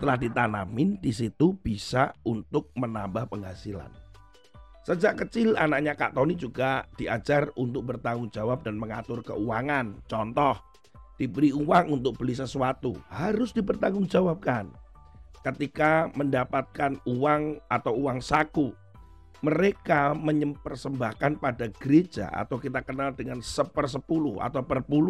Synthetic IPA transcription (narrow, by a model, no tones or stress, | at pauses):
t̪əlahdit̪anamɪndis̬it̪ub̥isa̰unt̪ʊk̚mənambahpəŋɦasila̰n | səd͡ʒaʔkət͡ʃɪlanaʔ̚ɲaka̰ʔt̪ɔnid͡ʒuɡad̥iʔad͡ʒarunt̪ʊk̚bərt̪aŋʊŋd͡ʒawap̚danməŋat̪ʊrkə̰uwaŋant͡ʃɔnt̪ɔh | d̥ibəɾiuwaŋunt̪ʊk̚b̥əlis̬əsuat̪uhaɾʊsd̥ipərt̪aŋʊŋd͡ʒawab̚kan | kət̪ikaməndapat̪̚kanuwaŋʔat̪awuwaŋsaku | məɾekaməɲəpərsəmbahkanpadaɡ̥əɾed͡ʒa̰ʔa̰t̪awkit̪akənaldəŋansəpərs̬əpulʊha̰t̪awpərpulu